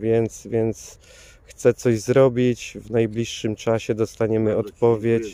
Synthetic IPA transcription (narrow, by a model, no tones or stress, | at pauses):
vʲjɛnt̪svʲjɛnt̪s | xt̪sɛt̪sɔʑzɾɔbʲit͡ɕvnajblʲiʂːɘmt͡ʂaɕɛd̪ɔst̪aɲɛmɘɔt̪pɔvʲjet͡ɕ